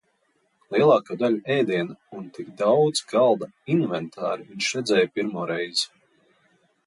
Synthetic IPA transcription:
lˠiɛlˠɑːkaːd̪alʲuɛjd̪iɛnaunt̪ikd̪awd̪zɡalˠd̪a | invɛnt̪ʰaːɾviɲʃɾɛd̪zʲɛːjpʲiɾmuɔɾɛjz

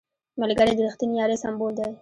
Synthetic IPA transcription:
malɡəɾed̪əɾixt̪inijɑɾesambold̪aj

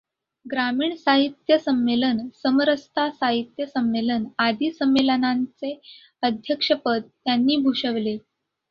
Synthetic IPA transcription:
ɡɾamiːɳsaɦit̪jəsəmːelənsəməɾəst̪ʰasaɦit̪jəsəmːelənad̪ʱiːsəmːelənant͡se | əd̪ʱjəkʂəpəd̪ːjanːiːbʱuʂəʋle

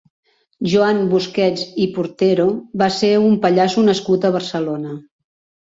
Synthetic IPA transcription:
ʒuambuskɛd͡zipuɾt̪eɾoβaseumpəʎasunəskut̪əβərsəlonə

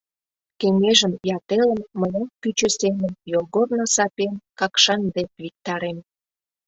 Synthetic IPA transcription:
keŋeʒəmjɑt̪eləmːəjenpyt͡ɕə̆semənjolɣornosɑpenkɑkʃɑnd̪epvik̚t̪ɑɾem

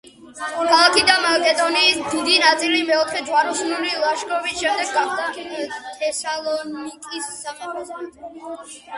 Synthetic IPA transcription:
kʰalˠakʰid̪amakʼɛd̪ɔniːsd̪id̪inat̪sʼilimɛɔt̪ʰχɛd͡ʒwaɾusnulilˠaʃkʼɔvisʃɛmd̪ɛɡːaχd̪at̪ʰɛsalˠɔnikʼisːamaχɔsmat̪

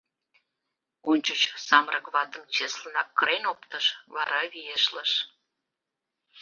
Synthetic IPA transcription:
onʲt͡ɕot͡ɕsɑmɾʔəkβɑt̪əmt͡ɕeslənɑkːəɾenopt̪əʃβɑɾɑβijeʃləʃ

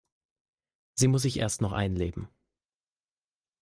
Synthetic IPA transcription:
z̥iːmʊs̬ɪçʔḛːɐstnɔχʔa̰ɪnleːbm̩

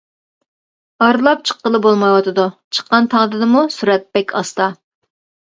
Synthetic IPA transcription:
ɑɾlˠɑp̚t͡ʃʰə̥qːəlˠɨbolˠmɑjwɑt̪ʰɨd̪ut͡ʃʰə̥qːɑnt̪ʰɑŋd̪ɨd̪ɨmusuɾɛt̪̚bɛkʲʰɑst̪ɑ

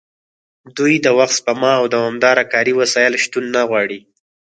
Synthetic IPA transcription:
d̪ujd̪əwaxspəmɑːwd̪awɑmd̪ɑɾakɑɾiwasɑjɪlʃt̪unːaɣwɑɽi

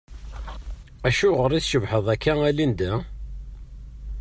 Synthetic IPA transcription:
æʃuʁəɾˤiθʃəvħəðˤækːæælind̪æ

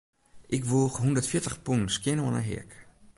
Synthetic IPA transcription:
ʔɪkʋuːxɦundərtfjɪtəχpunskjɪnəɔnə̰ɦɪ̰ək

